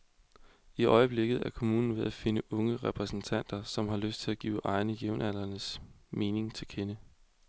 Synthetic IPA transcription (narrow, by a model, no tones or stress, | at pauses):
iʔɒ̽ɪəb̥le̝ɡ̥ð̞̩ˠæɐkʰo̝muːnn̩ʋe̝ð̞ˠæfe̝nəʔɔ̽ŋəʁɛpʰʁɛsn̩t͡sʰæn̰d̥ɐsɒ̽mɦɑ̈løsd̥̚t͡sʰe̝læɡ̥ḭːʊʔɑ̈ɪnəjeʊnʔæl̰ɐnəsme̝ːne̝ŋt͡sʰe̝lkʰenə